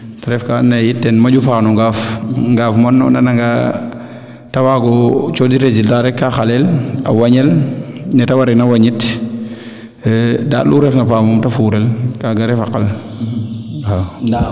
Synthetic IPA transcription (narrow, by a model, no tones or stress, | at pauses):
taɾɛfkanːɐjitːɛnmɐd͡ʒufaːnuŋɡafŋɡaːfmɔnːɔnɐnɐŋɡa | tɐwaɡɔt͡ʃɔdiɾeziltaɾɛkːaxalɛlɐ̰wɐɲɛlnɛtɐwaɾɛnɐwɐɲit | da̰ːluɾɛfnɐpaːmɔmtɐfuːɾɛlkaɡaɾɛfaqɐl | a